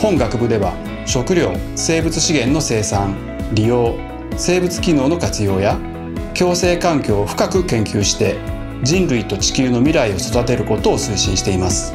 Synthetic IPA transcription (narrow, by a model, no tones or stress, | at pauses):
hõ̞ŋɡakɯ̟bɯ̟d̪e̞βa̰ | ɕo̞kɯ̟ɾʲo̞ːse̞ːbɯ̟t͡sɨ̥ɕiɡẽ̞nːo̞se̞ːsãŋ | ɾʲijo̞ː | se̞ːbɯt͡sɨ̥kʲino̞ːno̞kat͡sɨjo̞ːja | kʲo̞ːse̞ːkãŋkʲo̞ːɸɯ̟̥kakɯ̟kẽ̞ŋkʲɨːɕi̥t̪e̞ | d͡ʑĩnɾɯit̪o̞t͡ɕi̥kʲɨːno̞mʲiɾaio̞so̞d̪at̪e̞ɾɯ̟ko̞t̪o̞ːsɨːɕĩɕi̥t̪e̞imasɨ̥